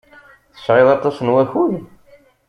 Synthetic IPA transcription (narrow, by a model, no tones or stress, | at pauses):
θə̥ʃʕɪðˤɑt̪ˤɑsənwæçuð